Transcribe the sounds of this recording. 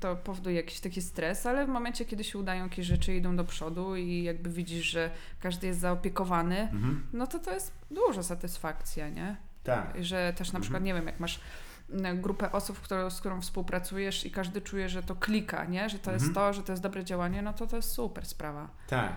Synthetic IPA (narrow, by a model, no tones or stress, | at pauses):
t̪ɔpɔvɔd̪ujɛjakʲi̥ɕt̪akʲist̪ɾɛsalɛvmɔmɛnt͡ɕɛkʲɛd̪ɘɕɛud̪ajɔ̃jakʲeɕʐɛt͡ʂɘid̪ɔ̃w̃d̪ɔpʂɔd̪uijaɡ̚bɘvʲid͡ʑiʂʐɛ | kaʐd̪ɘjɛst̪zaɔpʲjɛkɔvanɘnɔt̪ɔt̪ɔjɛst̪ | d̪uʐasat̪ɘsfakt̪sʲjaɲɛ̰ | t̪a̰iʐɛt̪ɛʂnapʂɘkwat̪ɲɛvʲjɛmja̰kmaʂ | ɡɾupɛʔɔsupfkt̪uɾɔ̃w̃skt̪uɾɔ̃w̃fspuwpɾat̪sujɛʂikaʐd̪ɘt͡ʂujɛʐɛt̪ɔklʲika̰ɲɛʐɛt̪ɔjɛst̪ːɔʐɛt̪ɔjɛs̬ɔbɾɛd͡ʑawaɲɛnɔt̪ɔt̪ɔjɛst̪supɛɾspɾava | t̪a̰k